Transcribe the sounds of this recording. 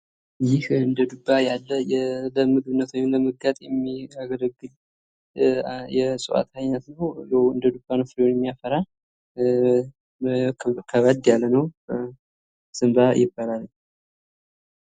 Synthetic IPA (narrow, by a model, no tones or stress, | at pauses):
jɪhɨnd̪əd̪ubːajalːəjɛləmɨɡɨβɨnːət̪ʰwaɲːnləməɡat̪ʼjɛmːiaɡələɡːɨl | jɛsʼɨwʔa̰t̪ʰajnat̪nəwjɛwɨ̰nd̪əd̪ubːanəfɨɾwonjɛmːijafəɾa | kʰəβəd̪jalːənəw | sɨmbajʔɪbːalalɲː